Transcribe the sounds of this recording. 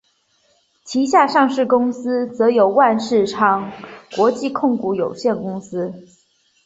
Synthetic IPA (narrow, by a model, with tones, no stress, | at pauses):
t͡ɕʰi˧˥ɕja˥˧ʂɑ˥˧ŋʂɻ̩˥˩kʊ˥ŋsɹ̩˥t͡sɤ˧˥jo˨˩ʊwa˥˧nʂɻ̩˥˩ʈ͡ʂʰɑ˥ŋkwɔ˧˥t͡ɕi˥˧kʰʊ˥˩ŋku˧˥˩jo˨˩ʊɕjɛ˥˩nkʊ˥ŋsɹ̩˥